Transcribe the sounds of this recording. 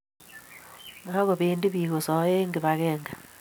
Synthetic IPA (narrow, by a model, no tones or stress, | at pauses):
ɾaɣoβiːndiβiːɣosɔjeŋɡeβaɣɛːŋɡa